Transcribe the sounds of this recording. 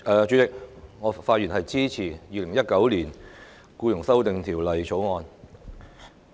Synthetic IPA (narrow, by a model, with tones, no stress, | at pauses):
ʔɛː˨˧t͡ʃy˨˥t͡sɪ˨k̚ŋɔː˨˧faː˧t̚ɥyː˨˩nɐ˨jt͡siː˥t͡sʰiː˨˩jiː˨˧lɪ˨˩ŋjɐ˥t̚kɐ˨˥wliː˨˩n | kuː˧jʊ˨˩ŋsɐ˥wt̪ɪ˨ŋt̪ʰiː˨˩wlɐ˨jt͡ʃʰo˨˥wŋɔː˧n